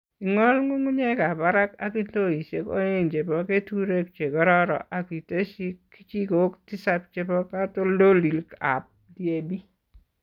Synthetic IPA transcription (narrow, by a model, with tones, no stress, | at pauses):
i˨ŋɔ˦lŋu˦ŋʊ˦ɲɛ˦ka˨pa˦ɾa˦ka̰˦ki˦nto˦i˨se˨ko̰˦e˨nt͡ʃe˨bɔ˦ke˦tu˦ɾe˦k̚t͡ʃe˨kɔ˦ɾɔ˦ɾɔ̰˨ʔa˨kwi˨te˦ʃi˦kːi̥˦t͡ʃi˦ko˨˦kti˦sap̚t͡ʃe˨bɔ˦ka˦to˦ldo˦li˨lka̰˨p̚di˦e˨bi˦